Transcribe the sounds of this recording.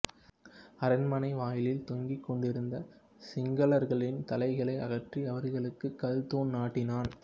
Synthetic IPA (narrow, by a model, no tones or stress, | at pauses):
ɐɾɐnmɐnɐɪʋaːjɪlɪlt̪ɔŋɡikːɔɳɖɪɾɯnd̪ɐ | sɪŋɡɐɭɐɾɣɐɭɪnt̪ɐlɐɪɣɐɭɐɪʔɐɣɐʈriɐʋɐɾɣɐɭɯkːɯkːɐlt̪oːnnaːʈːɪnaːn